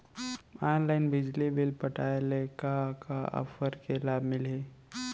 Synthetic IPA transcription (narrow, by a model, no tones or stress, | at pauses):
aːnlaːɪnbɪd͡ʒlibɪlpəʈaːelekakaɔ̰fʰəɾkelaːbmɪleː